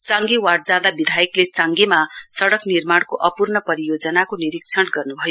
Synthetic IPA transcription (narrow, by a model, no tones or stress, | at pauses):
t͡sãŋɡewaɽd͡zãd̪abid̪ʱajʌklet͡sãŋɡemasʌɽʌknirmaɽ̃koʔʌpurnʌpʌɾijod͡zʌnakoniɾik̚t͡sʰʌnɡʌrnubʱʌjo